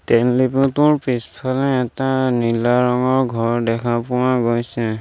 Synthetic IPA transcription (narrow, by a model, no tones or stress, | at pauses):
tɛnlipʊtʊɹpispʰalɛɛtanilaɹɔŋɔɹɡʱɔɹdɛkʰapʊwaɡojsɛ